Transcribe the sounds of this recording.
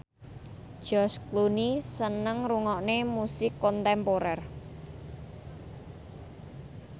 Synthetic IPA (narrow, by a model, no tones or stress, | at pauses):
d̥ʒ̥ɔsklunisənəŋruŋɔʔnemusɪkːɔnt̪ɛmpoɾɛr